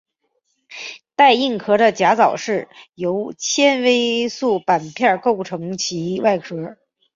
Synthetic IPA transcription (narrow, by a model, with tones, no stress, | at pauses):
t̪a˥˧ɪi˥˩ŋkʰɤ˧˥ɾə˧t͡ɕja˧˥t͡sɑ˨˩ʊʂɻ̩˥˩jo˧˥ʊt͡ɕʰjɛ˥nwe˥ɪsu˥˩pa˨˩npʰjɑ˥˧ko˥˩ʊʈ͡ʂʰɤ˧˥ŋt͡ɕʰi˧˥wa˥˩ɪkʰɤ˧˥